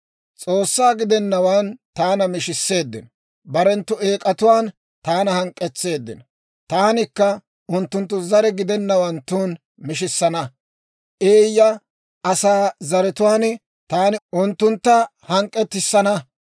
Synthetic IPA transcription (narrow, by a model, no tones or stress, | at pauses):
t͡sʼo̞ːsːaːɡɪd̪ɛnːɐwant̪aːnɐmɪʃɪsːe̞ːd̪ːɪ̰n | bɐɾɛnt̪ːʊe̞ːkʼɐt̪ʊwaːn | t̪aːnɐhɐŋkʼːɛt͡sːe̞ːd̪ːɪn | t̪aːnɪkːɐ | ʔʊnt̪ːʊnt̪̬ːʊzɐɾɛɡɪd̪ɛnːɐwɐnt̪uːn | mɪʃɪsːɐnɐ | ʔeːjːɐ | ʔɐsaːzɐɾɛt̪ʊwaːn | t̪aːnɪʔʊnt̪ːʊnt̪ːɐ | hɐŋkʼːɛt̪ːɪsːɐnɐ